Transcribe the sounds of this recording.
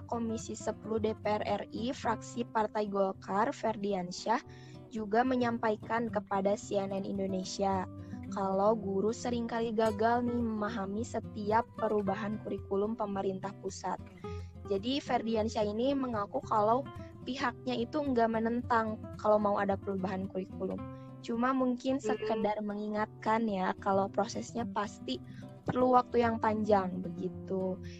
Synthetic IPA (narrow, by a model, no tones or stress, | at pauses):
komisisəpuluhdepeɛrɛrifɾaksipart̪ajɡolkarfɛrdiansa | d͡ʒuɡaməɲampajkankəpadasiɛnɛnḭndonesiakalawɡuɾusəɾiŋkaliɡaɡalniməmaɦamisət̪iapːəɾubaɦankuɾikulʊmpəməɾint̪ahpusat̪̚d͡ʒadifɛrdiansiainiməŋakukalaw | piɦak̚ɲait̪uəŋɡamənənt̪aŋkalawmauʔadapəɾubaɦankuɾikulʊ̰m | t͡ʃumamuŋkɪnsəkədarməŋiŋat̪̚kanjakalawpɾosɛsɲapast̪ipərluwak̚t̪ujaŋpaɲd͡ʒaŋbəɡit̪u